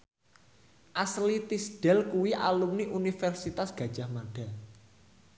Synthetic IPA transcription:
ʔaslit̪isɖ̥ɛ̤lkuwiʔa̰lumniʔunifɛrsit̪asɡ̥a̤d̥ʒ̥a̤hmaɖ̥a̤

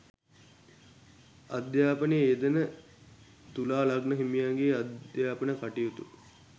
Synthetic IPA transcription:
ad̪jaːpənejəed̪ənə | t̪ulaːlaɡnəɦimijaːɡeːad̪jaːpənəkaʈijut̪ṵ

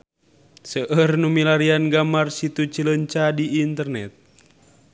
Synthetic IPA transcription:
səʔərnumilaɾianɡamarsit̪ut͡ʃiləɲt͡ʃadiːnt̪ərnɛt̪̚

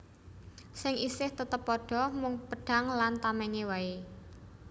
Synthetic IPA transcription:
sɪŋʔisɪht̪ət̪əpːɔɖ̥ɔ̤mʊŋpəɖ̥a̤ŋlant̪amɛɲewae

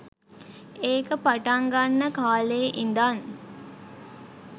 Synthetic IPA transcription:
eːkəpaʈaŋɡanːəkaːleːʔind̪an

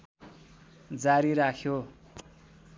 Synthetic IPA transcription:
d͡zaɾiɾakʰjo

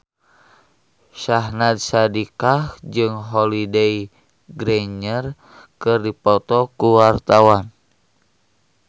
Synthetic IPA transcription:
ʃaɦnat̪̚sadikahd͡ʒɨŋɦɔlidei | ɡɾɛɲər | kɨrdipɔt̪ɔkuwart̪awan

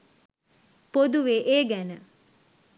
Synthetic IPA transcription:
pod̪uʋeːʔeːɡænə

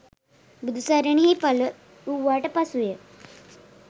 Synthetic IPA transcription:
bud̪usaɾaniɦipalə | uʋaʈpasuje

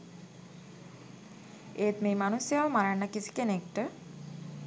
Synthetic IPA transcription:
eːt̪meːmanusjaʋəmaɾanːəkisi̥kenekʈə

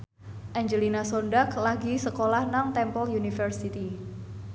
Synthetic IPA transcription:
ʔaɲd͡ʒəlinasɔndaklaɡisəkolahnaŋt̪ɛmpɔljunifərsit̪i

